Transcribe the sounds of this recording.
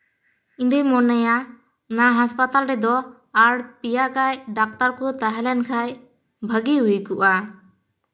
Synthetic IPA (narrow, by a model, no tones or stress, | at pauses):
ind̪imɔnɛja | naɦaspat̪alɾɛd̪ɔ | aɽpijakajɖak̚t̪aɾkɔt̪aɦɛlɛnkʰaj | bʱəɡiɦukuʔa